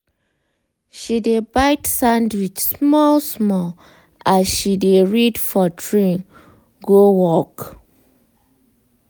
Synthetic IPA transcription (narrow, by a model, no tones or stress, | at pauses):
ʃidebaɪtsãndwit͡ʃsmɔlsmɔl | azʃideɹidfɔdɹĩn | ɡowɔk